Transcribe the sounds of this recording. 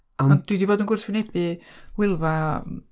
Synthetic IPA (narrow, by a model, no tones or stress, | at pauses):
ɔɔnd̥idiboːdənɡʊrθwɪnebɨwɪlˠva